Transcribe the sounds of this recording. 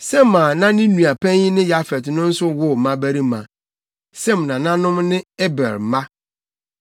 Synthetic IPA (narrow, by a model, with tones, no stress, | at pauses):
sɛ˦mã˨nã˦nɪ̃˦nũ˨a˨pʰɛ̃˦ɲɪ˦nɪ̃˦ja˦fɛ˨tnʊ̃˦n̩˦sʊ˦wʊ˦˨mã˦bæ˦ɾi˦mã˨ | sɛ˦˨m˨nã˨nã˦nʊ̃˦mnɪ̃˦e˦bɛ̰˨ɾ̩˨mã˦